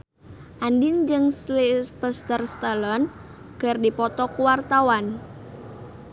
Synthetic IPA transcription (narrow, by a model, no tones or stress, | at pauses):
ʔandind͡ʒɨŋslibəst̪ərst̪əlɔn | ɡ̥ərdipɔt̪ɔkuwart̪awan